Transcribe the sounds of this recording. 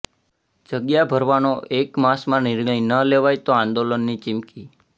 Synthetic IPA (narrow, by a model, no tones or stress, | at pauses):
d͡ʒəɡjabʱəɾʋanoʔekmasmãnɪɾɳəijnəleʋajt̪oãnd̪olənːit͡ʃɪmki